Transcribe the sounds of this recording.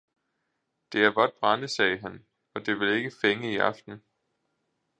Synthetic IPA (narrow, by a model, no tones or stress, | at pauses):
d̥e̝æɐb̥ɒd̥̚b̥ʁɑ̈nəsɛːɦæn | ɒ̽d̥e̝ʋe̝le̝ɡ̥əfeŋəiʔɑ̈fd̥n̩